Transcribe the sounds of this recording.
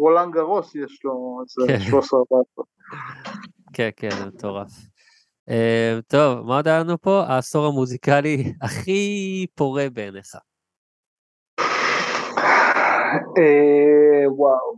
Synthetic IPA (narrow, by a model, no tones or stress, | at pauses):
ʁolaŋɡaʁosjeʃlozekeʃoseʁbat | kʰenkenzemet̪o̞ʁaf | emt̪o̞vmaod̪aanupo̞aːso̞ʁamuzikaliaχipo̞ʁe̞beneχa | e | waw